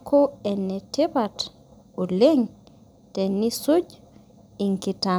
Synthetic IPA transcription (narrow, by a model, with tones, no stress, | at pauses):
kʰo˦ɛnɛ˨te˦ba˨t | o˨le˦ŋ | tɛ˨ni˦so˦d͡ʒ | i˨ŋki˨ta